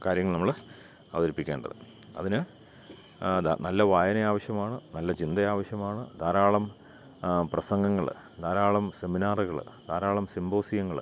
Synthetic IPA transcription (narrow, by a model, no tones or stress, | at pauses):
kaːɾjɐŋːɐɭnɐmːɐɭ | ɐʋɐðɐɾipːikʲːe̞ːɳɖɐ̰ðɨ̰ | ɐ̰ðinɨ | d̪nɐlːɐʋaːjɐnɐjaːʋɐɕjɐmaːɳɨnɐlːɐt͡ɕind̪ɐjaːʋɐɕjɐmaːɳɨd̪aːɾaːɭɐm | prɐsɐŋɡɐŋːɐɭɨ̰ | d̪aːɾaːɭɐmse̞minaːrɨɣɐɭ̰d̪aːɾaːɭɐmsimbo̞ːsijɐŋːɐɭ